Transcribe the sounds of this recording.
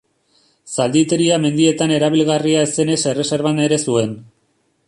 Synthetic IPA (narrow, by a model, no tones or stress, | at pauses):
sald̪it̪e̞ɾiame̞nd̪ie̞t̪ane̞ɾaβ̞ilɣariaese̞ne̞se̞re̞se̞ɾβaneɾe̞sue̞n